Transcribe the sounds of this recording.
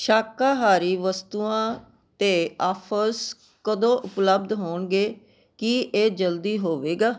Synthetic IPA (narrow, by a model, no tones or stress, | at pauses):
ʃaːkaːɦaːɾiːʋəst̪uːãː | t̪eːaːpʰəs | kəd̪õːʔʊpləb̚d̪ɦoːɳɡeː | kieːd͡ʒəld̪iːɦoːʋeːɡaː